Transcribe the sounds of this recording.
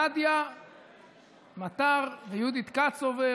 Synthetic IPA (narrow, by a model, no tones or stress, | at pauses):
ad̪ja | mat̪aʁvejud̪it̪kat͡sove